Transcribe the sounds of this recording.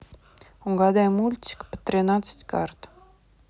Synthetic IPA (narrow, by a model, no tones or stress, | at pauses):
uŋɡɑd̪amulʲt̪ʲi̥kpə̥t̪ɾʲɪnat̪sə̥tʲkart̪